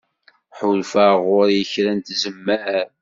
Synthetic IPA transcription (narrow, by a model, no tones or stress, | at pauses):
ħʊlfaʁʊɾjəçɾænt̪zəmːæɾɾ